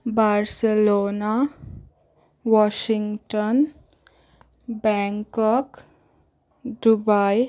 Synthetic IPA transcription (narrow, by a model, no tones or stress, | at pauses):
baɾselona | wɔʃiŋɡʈɔn | bɛŋkɔk | ɖubaj